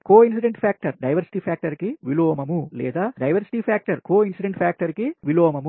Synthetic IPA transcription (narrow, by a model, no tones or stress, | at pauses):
koːins̬iɖeɳʈpʰjaːk̚ʈɐɾɖɐjʋɐɾsi̥ʈiːpʰjaːk̚ʈɐɾkiʋiloːmɐmulɛ̰ːd̪aːɖɐjʋɐɾsi̥ʈiːpʰaːk̚ʈɐɾkoːinsiɖeɳʈpʰjaːk̚ʈɐɾkiʋiloːmɐmu